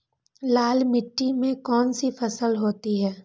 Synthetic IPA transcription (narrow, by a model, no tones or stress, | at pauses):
laːlmɪʈːimẽkɔːnsifʰɐsəlɦoːt̪iɦɛː